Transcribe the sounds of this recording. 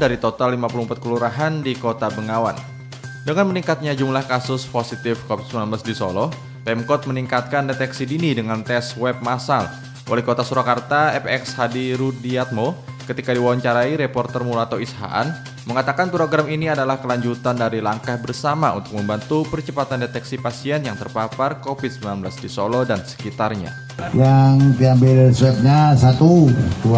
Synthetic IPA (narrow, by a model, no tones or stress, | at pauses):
daɾit̪ot̪alːimapulumpat̪̚kəluɾaɦandikot̪abəŋawa̰n | dəŋanməniŋkat̪̚ɲad͡ʒumlahkasʊsposit̪ɪfkovɪt̪̚smanblasdiso̰lɔh | pɛmkɔt̪̚məniŋkat̪̚kandet̪ɛksidinidəŋant̪ɛswɛp̚masal | ʔo̰lɛhkot̪asuɾakart̪aɛpɛkshadiɾudiat̪̚mokət̪ikadiwawaɲt͡ʃaɾaiɾepɔrt̪ərmulat̪oisɦa̰ʔa̰n | məŋat̪akanpɾoɡɾaminiadalahkəlaɲd͡ʒut̪andaɾilaŋkahbərsamaṵnt̪ʊk̚məmbant̪upərt͡ʃəpat̪andet̪ɛksipasiɛnjaŋt̪ərpaparkofɪt̪̚səmilanbəlasdisolɔdansə̥kit̪arɲa̰ | jaŋd̪iambɪlswɛp̚ɲasat̪ud̪u